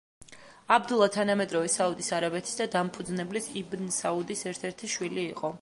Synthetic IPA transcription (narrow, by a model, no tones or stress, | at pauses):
abd̪ulˠat̪ʰanamɛd̪ɾɔvɛsaud̪isaɾabɛt̪ʰi̥sd̪ad̪ampʰud̪znɛblisibnsaud̪isɛɾt̪ʰɛɾt̪ʰiʃwiliːqʼɔ